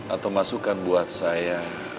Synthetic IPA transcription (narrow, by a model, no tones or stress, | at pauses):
ʔat̪awmasukanbuat̪̚saja